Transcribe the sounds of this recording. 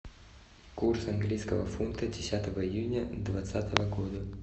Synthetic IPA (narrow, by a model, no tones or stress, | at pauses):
kursɐnɡlʲijskəvə̰funt̪ədʲɪsʲat̪əvəɪjunʲəd̪vat̪sat̪əvəɡod̪ə